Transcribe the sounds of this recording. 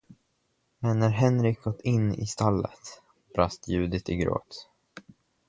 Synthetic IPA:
mɛnːæɾɦɛnɾɪk̚ɡɔt̪ːɪnːɪ̰st̪alːə̰t̪ | b̥ɾast̪ʰjʉ̟ːd̪ɪt̪ɪɡɾo̰ːt̪

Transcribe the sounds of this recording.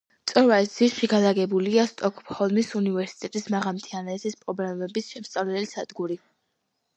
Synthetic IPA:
t̪sʼɔɾvaɛzisʃiɡalaɡɛbuliast̪ʼɔkʰʼhɔlˠmisunivɛɾsi̥t̪ʼɛt̪ʼismaʁamt̪ʰianɛːt̪ʰispʼɾɔblɛmɛbisʃɛmst̪sʼavlɛɛlisad̪ɡuɾi

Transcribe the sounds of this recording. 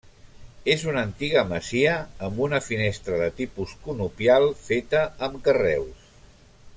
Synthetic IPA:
ezunənt̪iɣ̞əməziəːmbunəfinest̪ɾəðət̪ipuskunupjalˠfet̪əːmkərɛ̰ws

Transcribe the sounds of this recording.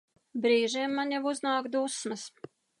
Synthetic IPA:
bɾiːʒimːanjavuznaːkd̪usmɐs

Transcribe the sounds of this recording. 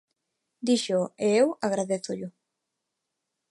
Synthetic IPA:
d̪iʃoeewaɣ̞ɾaðeθʊʎʊ

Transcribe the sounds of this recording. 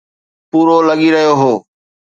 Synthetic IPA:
puːɾoləɠiːɾəɦijoːɦoː

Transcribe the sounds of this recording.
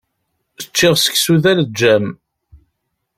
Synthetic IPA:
ət͡ʃːɪʁsə̥ksuðæld͡ʒːæm

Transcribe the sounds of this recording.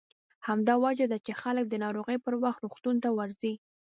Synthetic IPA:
hamd̪ɑwad͡ʒad̪at͡ʃexalək̚d̪ənɑɾoɣəjpəɾwaxt̪ɾoxt̪unt̪awaɾzi

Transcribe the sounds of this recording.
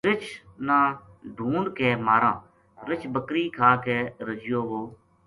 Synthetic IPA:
ɾɪt͡ʃʰnaːɖʱũːɳkeːmaːɾãː | ɾɪt͡ʃʰbəkɾiːkʰaːkeːɾəd͡ʒɪjoːʋoː

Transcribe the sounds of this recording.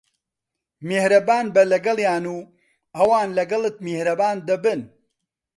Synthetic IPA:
mehɾɐbaːnbɐlɐɡɐlˠjaːnuː | ʔɐwaːnlɐɡɐlˠɨt̪̚mehɾɐbaːnd̪ɐbɨn

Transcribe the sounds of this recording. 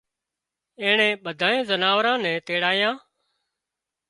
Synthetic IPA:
ẽːɳɛ̃ːɓəd̪ʱaːẽːzənaːʋɾãːnɛ̃ːt̪eːɽaːjãː

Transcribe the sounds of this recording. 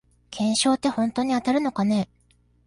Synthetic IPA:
kʰẽ̞ɰ̃ɕo̞ːt̪ːe̞hõ̞nt̪o̞ːɲ̟iat̪aɾɯ̟no̞kane̞

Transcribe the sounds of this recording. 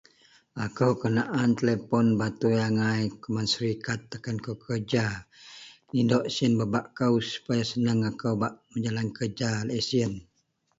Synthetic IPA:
akəwkənaʔant̪əlepɔnbat̪ujaŋajkumansəɾikat̪̚ːakankəwkʰərd͡ʒa | nindɔʔsiənbabaʔkəwsu̥pajasənəŋakəwbaʔməɲd͡ʒalankərd͡ʒalesiən

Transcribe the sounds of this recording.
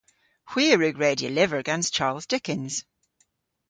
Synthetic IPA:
hw̥iːəɹʉɡɹeːdiəlɪvə˞əɡɛ̃nst͡ʃʰaɹlˠzdɪkɪ̃nz̥

